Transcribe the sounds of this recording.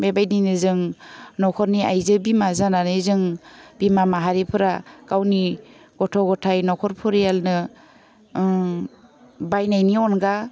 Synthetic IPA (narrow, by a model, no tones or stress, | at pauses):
bajbajdinɯzɯŋnɔkʰɔɾniajzɯbimazananɯzɯŋb̥imamaɦaɾipʰɯɾakawniɡ̥ɔtʰɔɡɔtʰajnɔkʰɔɾpʰɔɾijalnɯ | bajnajniɔnɡa